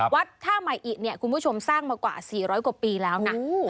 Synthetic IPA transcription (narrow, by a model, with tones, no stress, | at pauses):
wa˦˥t̪ʰːaː˥˩ma˨˩jʔiː˨˩k̚ni˦˥˩əkʰu˧nbu˥˩t͡ɕʰo˧msaː˥˩ŋmaː˧kwa̰ː˨˩siː˨˩ɾɔː˦˥jku˨˩piː˧lɛː˦˥wna˦˥